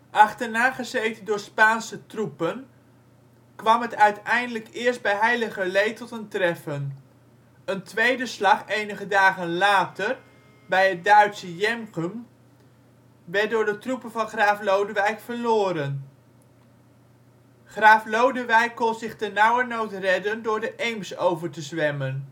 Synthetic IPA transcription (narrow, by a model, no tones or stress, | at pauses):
ʔɑχtəɹnaːχəzejtəndʊːɹspaːnsətrupən | kʋɑmɦətœɥtɛjndələkɪːɹsd̚bɛjɦɛjləχəlejtɔtəntrɛfən | əntʋejdəslɑχejnəχədaːχənlaːtəɹ | bɛjɦət̚dœɥtsəjɛmkəm | ʋɛdʊːɹdətrupəvɑnχraːflowdəʋɛjkfəɹlʊːɾən | χraːflowdəʋɛjkːɔnzɪχdənɑwəɹnowtrɛdəndʊːɹdəʔejmsowvəɹtəzʋɛmən